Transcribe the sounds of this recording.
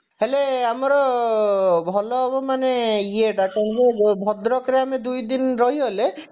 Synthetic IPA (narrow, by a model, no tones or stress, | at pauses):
ɦeleamɔɾɔ | bʱɔlɔbɔmaneieʈakaɳkebʱɔd̪ɾɔkɾeamed̪ujd̪inɾɔɦiɦɔle